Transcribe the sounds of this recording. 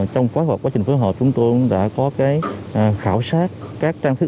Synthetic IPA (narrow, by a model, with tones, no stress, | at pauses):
t͡ɕɔ˧wŋ͡mkaː˨˦jhw̚waː˨˦t͡ɕi̟˨˩fjɦə˨˩p̚t͡ɕʊ˨˦ŋ͡mt̪ɨ˧ɗa̰ː˧˥kɔ˨˦kaː˨˦jxaː˧˩wsaː˦˥t̚kaː˦˥k̚t͡ɕaː˧ŋt̪ʰɨ˦˥